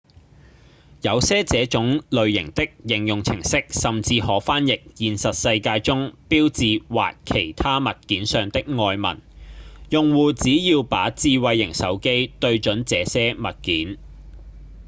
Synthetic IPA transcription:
jɐ˨˧wsɛː˥t͡sɛː˨˥t͡ʃʊ˨˥ŋlɵ˨ɥjɪ˨˩ŋt̪ɪ˥k̚jɪ˨˩ŋjʊ˨ŋt͡sʰɪ̰˨˩ŋsɪ˥k̚sɐ˨mt͡siː˧hɔː˨˥faː˥njɪ˨k̚jiː˨nsɐ˨t̚sɐ˧jkaː˧jt͡sʊ˥ŋpiː˥wt͡siː˨wa̰ː˨tkʰe˨˩jt̪ʰaː˥mɐ˨t̚kiː˨˥nsœː˨ŋt̪ɪ˥k̚ŋɔː˧jmɐ̰˨˩njʊ˨ŋwuː˨˩t͡siː˨˥jiː˧wpa̰ː˨˥t͡siː˧wɐ˧jːɪ˨˩ŋsɐ˨˥wke˥jt̪ɵ˧ɥt͡ʃɵ˨˥nt͡sɛː˨˧sɛː˥mɐ˨t̚kiː˨˥n

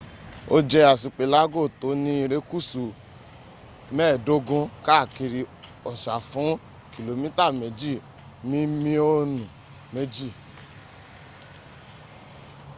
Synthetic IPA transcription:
o˦d͡ʒɛ˧a˨si˨k͡pe˨la˨˦ɡo˦˨to˨˦nĩ˧˦i˧ɾe˦ku˦˨su˨ | mɛː˦˨do˦ɡũ˧ka˦˨ki˧ɾi˧ɔ˨ʃa˨fũ˨˦ | ki˨lo˨mĩ˦ta˦˨me˨˦d͡ʒi˦˨ | mĩ˦mĩ˧o˧˦nũ˨ | me˦d͡ʒi˦˨

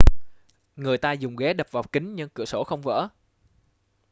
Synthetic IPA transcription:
ŋɨ˨˩əjt̪aː˧zʊ˨˩ŋ͡mɣɛ˨˦ɗə˨˩p̚vaː˨˩wkï˨˦ŋ̟ɲɨ˧ŋkɨ̰˧˩əso˧˩˦xə˧wŋ͡mvə̰ː˧˥

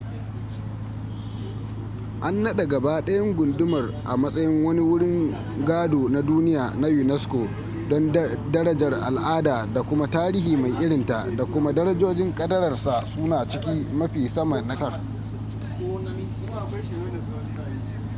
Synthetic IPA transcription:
ʔa˦nːɐ˦ɗe˨ɡɐ˨ba˦ɗɐ˦jɐ˦ŋɡʷʊ˨ndʊ˦mɐ˨rʔa˨mɐ˦sʼɐ˦jɪ˦ŋwɐ˦ni˦wʊ˦ɽɪ˦ŋ | ɡaː˦doː˨na˨duː˦nɪ˦jaː˨na˦jʊ˨nɛ˦skoː˨ | dɔ˦ndɐ˦ɾɐ˦d͡ʒɐ˨rʔa̰˨lʔaː˦daː˨da˨kʷʊ˦ma˦taː˦ɾi˦ɦiː˨ma˨jʔɪ˦ɽɪ˨nta˨da˨kʷʊ˦ma˦dɐ˦ɾɐ˦d͡ʒoː˦d͡ʒɪ˦ŋkʼɐ˦dɐ˦ɾɐ˨rsa˨sʊ˦naː˨t͡ʃɪ˦kʲi˦mɐ˦ɸiː˨sɐ˦mɐ˨nːɐ˦sɐ˦r

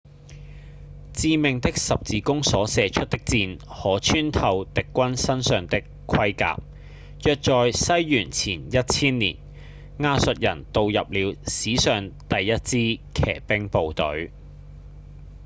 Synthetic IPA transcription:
t͡siː˧mɪ˨ŋt̪ɪ˥k̚sɐ˨p̚t͡siː˨˧kʊ˥ŋsɔː˨˥sɛː˨˧t͡ʃʰɵ˥t̪̚ɪ˥k̚t͡siː˧nhɔː˨˥t͡ʃʰyː˥nt̪ʰɐ˧wt̪ɪ˨kːʷwɐ˥nsɐ˥nsœː˨˩ŋt̪ɪ˥kʰɐ˥jka̰ː˧˨p̚ | jœː˨k̚t͡sɔː˨jsɐ˥jːyː˨˩nt͡sʰiː˨˩njɐ˥t̚t͡sʰiː˥nlḭː˨˩n | ŋaː˧sɵ˨t̚jɐ̰˨˩nt̪o˨˧wjɐ˨p̚liː˨˧wsiː˨˥sœː˨ŋt̪ɐ˨jːɐ˥t̚t͡siː˥kʰɛ̰ː˨˩pɪ˥ŋpo˨wt̪ɵ̰˨˥ɥ

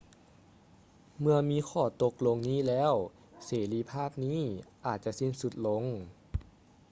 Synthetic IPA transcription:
mɯ˧ɐmiː˧˥xʰɔː˧˩t̪o˧˦k̚lo˧ŋniː˥˨lɛː˦˥˩w | seː˨˩˦liː˧˥pʰaː˥˩p̚niː˥˨ʔaː˨˩t̪̚t͡ɕa˧˥si˧˥˩nsu˧˦t̪̚lo˧˥ŋ

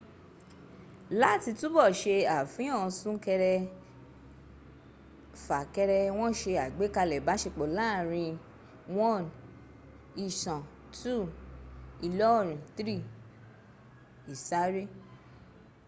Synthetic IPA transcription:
la˦˨ti˧tu˦bɔ˦˨ʃe˧a˨fĩ˨˦ɔ̃˦˨˧sũ˦kɛ˧ɾɛ˧ | fa˨kɛ˧ɾɛ˧w̃ɔ̃˦ʃe˧a˨ɡ͡be˨˦ka˧lɛ˨ba˨˦ʃe˧k͡po˨la˦˨ɾ̃ĩ˧ | wɔ̃˦˨n | i˧ʃã˨ | tʰu˦˨ | i˧lɔ˦ɔ˦˨ɾ̃ĩ˨tɾi˦˨ | i˨sa˨˦ɾe˦

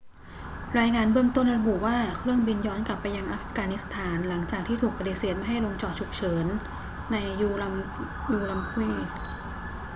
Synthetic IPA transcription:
ɾaː˧jŋaː˧nbɯ˥˧əŋt̪o˥˩nɾa˧bu˨˩waː˥˩kʰɾɯ˥˩əŋbi˧njɔː˦˥nkla˨˩pːa˧jːa˧ŋʔaː˦˥fɡaː˧ni˦˥st̪ʰaː˩˦nla˩˦ŋt͡ɕaː˨˩k̚t̪ʰiː˥˩t̪ʰuː˨˩k̚pa˧di˨˩seː˨˩t̪̚ma˥jɦa˥˩jlo˧ŋt͡ɕɔː˨˩t̪̚t͡ɕʰu˨˩k̚t͡ɕʰɤː˩˦nː | a˧jːuː˧lm | juː˧la˧mkʰu˧˥˩j

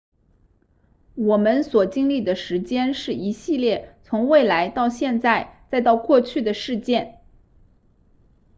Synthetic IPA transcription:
wɔ˨˩mə˦nswɔ˨˩t͡ɕi˥ŋli˥˩d̪ə˩ʂɻ̩˧˥t͡ɕjɛ˥nʂɻ̩˥˩i˧˥ɕi˥˧ljɛ˥˩t͡sʰʊ˧˥ŋwe˥˩ɪla˧˥ɪt̪ɑ˥˧ʊɕjɛ˥˧nt͡sa˥˩ɪt͡sa˥˧ɪt̪ɑ˥˧ʊkwɔ˥˧t͡ɕʰy˥˩d̪ə˩ʂɻ̩˥˧t͡ɕjɛ˥˩n

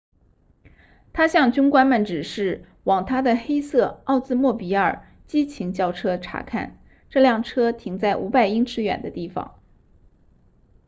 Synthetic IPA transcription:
t̪ʰa˥ɕjɑ˥˧ŋt͡ɕy˥nkwa˥nmə˨˩nʈ͡ʂɻ̩˨˩ʂɻ̩˥˩ | wɑ˨˩ŋt̪ʰa˥d̪ə˨xe˥ɪsɤ˥˩ɑ˥˧ʊt͡sɹ̩˥˧mwɔ˥˩pi˧˥ə˞˨˩ | t͡ɕi˥t͡ɕʰi˧˥ŋt͡ɕjɑ˥˩ʊʈ͡ʂʰɤ˥ʈ͡ʂʰa̰˧˥kʰa̰˥˩n | ʈ͡ʂɤ˥˧ljɑ˥˩ŋʈ͡ʂʰɤ˥t̪ʰi˧˩ŋt͡sa˥˩ɪʔṵ˧˥pa˥˩ɪi˥ŋʈ͡ʂʰɻ̩˧˥ɥɛ̰˨˩nd̪ə˦t̪i˥˩fɑ̰˨˩˦ŋ

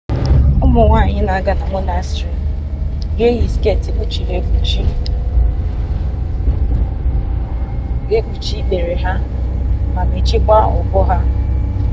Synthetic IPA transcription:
ʊ˦mʊ˨ŋʷa˦˨ɲɪ˦na˨ɡa˦na˨ŋʷʊ˦na˨˦sti˨ | bje˦ɣi˨ske˦˨ti˨k͡pu˦t͡ʃi˨ɾe˨bu˨t͡ʃi˦˨ | ɡe˦k͡pu˨t͡ʃi˦de˨ɾe˨ɦa˦ | ma˨me˨t͡ʃi˦kʷa˦ʊ̰˨kɔ˦ɦa˦

